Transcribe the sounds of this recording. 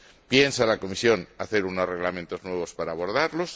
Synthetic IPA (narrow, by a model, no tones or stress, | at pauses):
pjensalakomisjõ̞ŋaθe̞ɾunosreɣlamẽnt̪oznwe̞β̞o̞spaɾaːβ̞o̞ɾðaɾlos